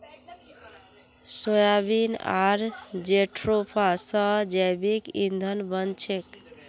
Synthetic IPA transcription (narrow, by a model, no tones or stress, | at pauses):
sojabina̰ɾd͡ʒeʈʰɾopʰasə̃d͡ʒajbikind̪ʱənbənt͡ʃʰek